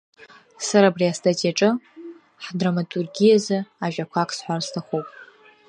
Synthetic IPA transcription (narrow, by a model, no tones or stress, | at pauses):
saɾaːbriastʰatʼiaʈ͡ʂʼɨ | ħdramatʼurɡʲijazɨaʒᶣakʷʰakʰʼsħʷarstʰaχowpʼ